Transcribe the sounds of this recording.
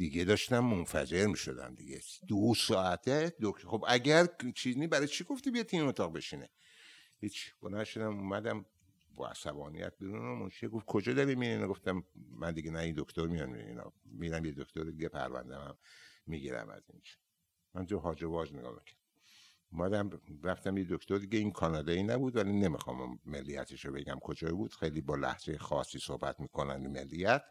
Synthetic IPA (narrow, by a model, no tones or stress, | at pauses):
d̪̥iɡed̪ɒʃt̪æmːonfæ̰d͡ʒe̞ɾmiʃo̰d̪æ̰md̪iɡed̪̥osɒːæt̪ʰed̪okxobæɟæɾt͡ʃʰiznibæɾɒjt͡ʃʰiɡoft̪ibijed̪t̪ʰːiːmemot̪ʰɒːɣbeʃinḛ | hit͡ʃʰi̥b̥olænʃod̪æmuːmæd̪æm | bɒ̰æ̰sæbɒːnḭjæ̰t̪̚biɾunomont͡ʃʰeɡofkʰod͡ʒɒːd̪ɒɾimmininɡoft̪æmːænd̪iɡenæind̪okt̪oɾmijɒnḭḭnɒ̰miɾæmjed̪okʰt̪ʰoɾed̪iɡepʰæ̰ɾvæ̰nd̪æmæmːiɡiɾæ̰mæ̰zḭnd͡ʒi̥ | mænd̪oɦɒːd͡ʒevɒːʒneɡɒ̰ːmḭcʰæ̥ɾd̪æ | umæd̪æmɾæft̪æmjed̪okt̪oɾd̪iɡeinkʰɒːnɒːd̪einæbud̪vælinemixɒ̰ːm̰mːelːijæt̪ʰeʃobe̞ɡæmkʰod͡ʒɒibud̪̥xejliːbɒːlæ̰hzejexɒːsiːsohbæt̪miːkʰonænimelːijæt̪